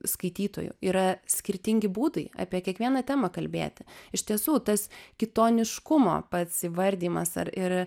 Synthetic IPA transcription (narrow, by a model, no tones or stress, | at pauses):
skɐɪt̪ʲiːt̪o̰ːjʊ̰iːɾɐsʲkʲɪɾʲt̪ʲɪŋʲɡʲɪbuːd̪ɐɪɑ̰ːpʲiɛkʲiɛkʋʲiɛnɐt̪ʲæːmɐkɐlʲbʲḛːt̪ʲɪɪʃt̪ʲiɛsuːt̪ɐskʲɪt̪oːnʲɪʃkʊmo̰ːpɐt̪sʲɪʋɐrʲd̪ʲiːmɐsɐ̰rɪr